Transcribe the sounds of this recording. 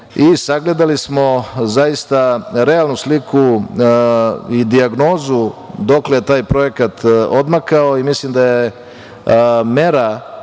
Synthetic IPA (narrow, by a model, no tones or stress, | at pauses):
isaɡle̞d̪alismo̞zajist̪aɾe̞alˠnuslikʰu | id̪iaɡno̞ːzud̪o̞klejet̪aːjpɾo̞je̞kat̪od̪makao̞imislimd̪aje | me̞ɾa